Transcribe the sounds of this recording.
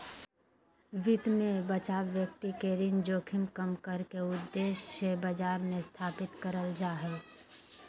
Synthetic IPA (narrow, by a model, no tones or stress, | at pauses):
ʋɪt̪mẽbət͡ʃaːʋʋjək̚t̪ikeɾɪnd͡ʒoːkʰɪmkəmkəɾkeʊd̪ːeːʃsebəd͡ʒaːɾmẽst̪ʰaːpɪt̪kəɾəld͡ʒaːɦɛː